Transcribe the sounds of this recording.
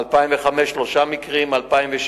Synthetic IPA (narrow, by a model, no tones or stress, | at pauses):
lpaimveχameʃːloʃamikʁimalpaimveʃ